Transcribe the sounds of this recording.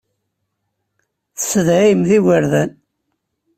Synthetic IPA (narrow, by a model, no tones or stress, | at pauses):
θə̥sːəðʕimðiwəɾðæn